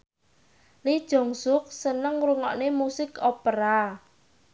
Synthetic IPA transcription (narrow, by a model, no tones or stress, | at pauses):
lid̥ʒ̥ɔ̤ŋsʊk̚sənəŋɾuŋɔ̰ʔnemusɪkopəɾa